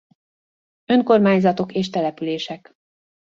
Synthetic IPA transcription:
ø̞ŋko̞rmaːɲzɒt̪o̞keːʃt̪ɛlɛpyleːʃɛk

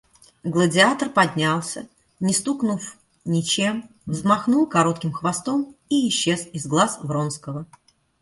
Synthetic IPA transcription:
ɡlˠədʲɪat̪ərpɐdʲnʲalˠsʲə̰ | nʲɪst̪uknuf | nʲɪt͡ɕe̞m | vzmɐxnulˠkɐɾo̞t̪̚kʲɪmxvɐst̪o̞miɪɕːe̞sɪzɡlˠasvɾonskəvə

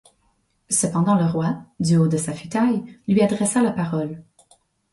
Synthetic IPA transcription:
səpɑ̃d̪ɑ̃ləʁwad̪yod̪əsafyt̪ajlɥiad̪ʁesalapaʁɔl

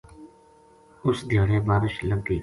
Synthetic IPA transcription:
ʊsd̪ʱjaːɽẽːbaːɾɪʃləɡiː

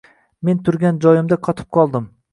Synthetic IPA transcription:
me̞nt̪ʰʊɾɡʲand͡ʒɒjɪmd̪aqʰɒt̪ʰɪ̥p̚qʰɒlˠd̪ɪm

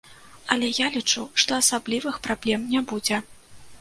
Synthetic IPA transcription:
ɐlʲɛjalʲit͡ʂuʂt̪ɔɐsablʲivɨxpɾablʲɛmnʲabud͡zʲɛ

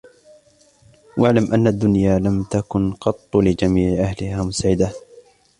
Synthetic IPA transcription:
waʕlamʔanːad̪ːʊnjaːlamt̪akʊnqɑt̪ˤːlɪd͡ʒamiːʕɪʔahlɪhaːmʊsaʕɪd̪a

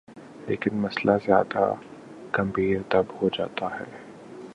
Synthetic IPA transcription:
leːkɪnmɐslʔazja̰ːd̪a̰ | kɐ̃mbʱiːɾt̪ɐbhod͡ʒa̰ːt̪ahɛ̰ː

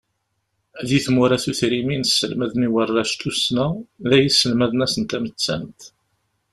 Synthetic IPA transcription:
ðiθmuɾæθuθɾiminəsːəlmæðniwərːæʃt̪usnæðæjisːəlmæðənæsənt̪æmət͡sːæ̰nt̪

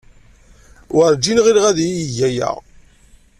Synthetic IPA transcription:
wəɾd͡ʒinʁiɾʁæðjijəʝæjæ̰ʁ

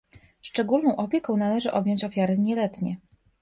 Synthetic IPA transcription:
ʂt͡ʂɛɡulnɔ̃w̃ʔɔpʲjɛkɔ̃w̃n̪alɛʐɘʔɔbjɔɲt͡ɕɔfʲjaɾɘɲɛlɛt̪ɲɛ

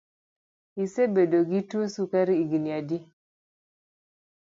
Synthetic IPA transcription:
isebedoɡitusukaɾiiɡiniadi

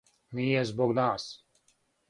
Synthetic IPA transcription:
niɛzbɔɡnaːs

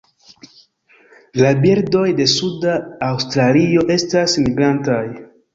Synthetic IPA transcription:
labiɾdo̞jde̞sudaːwstɾalio̞ʔe̞stasmiɡɾantaj

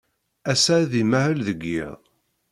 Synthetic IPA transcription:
æsæðimæhəlðəɡːɪ̰ðˤ

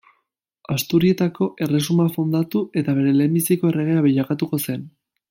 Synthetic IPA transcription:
ast̪uɾie̞t̪ako̞ʔe̞re̞sumafo̞nd̪at̪ue̞t̪aβ̞e̞ɾe̞le̞ːmbisiko̞e̞re̞ɣ̞e̞aβeʎakat̪uko̞se̞n

